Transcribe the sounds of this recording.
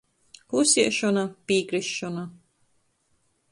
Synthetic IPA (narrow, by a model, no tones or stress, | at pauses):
kusʲiɛʃɔnapiːkɾisːɔna